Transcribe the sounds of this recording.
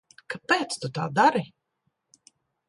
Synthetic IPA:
kapɛːt̪st̪ut̪a̰ːd̪aɾi

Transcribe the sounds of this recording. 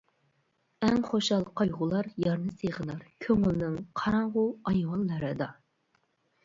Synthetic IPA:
ɛŋχoʃɑlˠqʰɑjʁʊlˠɑɾjɑɾnɨseʁənɑɾkʲʰøŋylnɪŋqʰɑɾɑɴʁʊɑjwɑnːɨɾɨd̪ɑ

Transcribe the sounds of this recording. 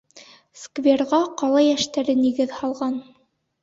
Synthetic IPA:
skvʲerʁɑqɑlˠɑjæʃt̪æɾɘniɡɘðhɑlˠʁɑn

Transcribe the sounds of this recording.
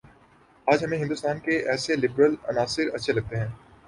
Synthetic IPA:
aːd͡ʒɦɐmẽɦɪ̃nd̪ʊst̪aːnkeʔɛːselɪbɾəlɐ̰naːsɪɾɐtːʃʰelɐɡ̚t̪eɦɛ̃ː

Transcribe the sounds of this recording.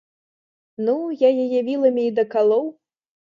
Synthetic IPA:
nujajajavʲilˠɐmʲiːd̪ɐkalˠɔw

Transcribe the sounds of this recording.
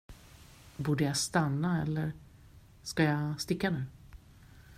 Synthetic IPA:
buːɖəjast̪anːaɛlːəɾ | skajast̪ɪkːanʉ̟ː

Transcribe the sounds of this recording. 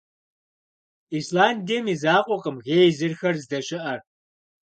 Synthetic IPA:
islaːndimizaːqʷʼɔqʼəmɣeːjzɨrxɐrzdɐɕɪʔɐ

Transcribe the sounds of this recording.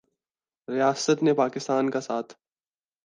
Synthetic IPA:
ɾijaːsət̪nepaːkɪst̪aːnkasaːt̪ʰ

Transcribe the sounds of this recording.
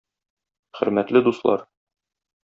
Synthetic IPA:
χɘ̆ɾmæt̪lɘd̪uslˠɑ̰ɾ

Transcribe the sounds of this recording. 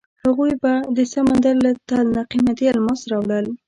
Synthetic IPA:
haɣujbad̪əsamand̪aɾlat̪alnaqimat̪ialmɑsɾɑwɽəl

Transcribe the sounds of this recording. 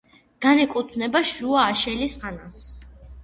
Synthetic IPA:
ɡ̥anɛkʼut̪ʰnɛbaʃuaːʃɛlisʁanas

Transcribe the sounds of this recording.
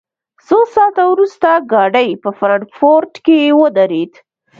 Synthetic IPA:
sosɑt̪awɾust̪aɡɑɖəjpəfɾaɳʈfoɾʈkejewəd̪aɾed̪

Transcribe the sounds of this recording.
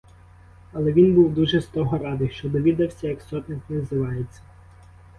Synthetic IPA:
ɐlˠɛʋʲinbuwd̪uʒɛst̪ɔɦɔɾɑd̪ɪʃt͡ʃɔd̪ɔʋʲid̪ɐwsʲɐjɐksɔt̪nɪxnɛzɪʋɑjet͡sʲːɐ

